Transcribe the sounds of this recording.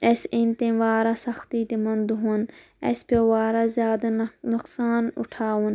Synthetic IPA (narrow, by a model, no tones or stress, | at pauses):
esint̪ẽʋaːɾaːsɐxt̪iːt̪emɐnd̪uɦun | ɐ̰spʲɐʋaːɾaːzʲjaːd̪anʊqsaːnʊ̰ʈʰaːwun